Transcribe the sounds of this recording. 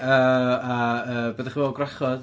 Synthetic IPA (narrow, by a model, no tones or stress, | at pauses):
əːaəːbəːdɛχvɛlˠɡrɛχɔð